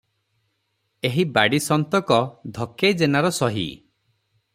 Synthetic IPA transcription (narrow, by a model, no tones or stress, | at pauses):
eɦibaɽisɔnt̪ɔkɔd̪ʱɔkejd͡ʒenaɾɔsɔɦḭ